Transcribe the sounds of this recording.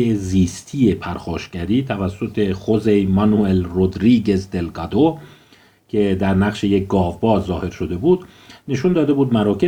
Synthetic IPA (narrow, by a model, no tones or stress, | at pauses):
eziːst̪ʰiːe̞pʰæɾxɒːʃɟæɾiːt̪ʰævæsːo̞t̪ʰe̞χo̞zejmɒnuelrod̪ɾiːɡe̞zd̪elɡæd̪o | cʲʰe̞d̪æɾnæɣʃe̞jek̚ɡɒːvbɒːzɒːhe̞ɾʃo̞d̪e̞buːd̪ | ne̞ʃund̪ɒːd̪e̞buːd̪mæɾɒːcʰe